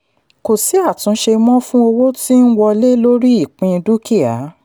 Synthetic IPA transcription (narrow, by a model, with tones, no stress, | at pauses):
ko˨si˨˦a˦˨tũ˨˦ʃe˧mɔ̃˦fũ˦o˧wo˦ti˦n̩˦wɔ˧le˦lo˦ɾi˦i˦˨k͡pĩ˧du˦ki˦a˨˦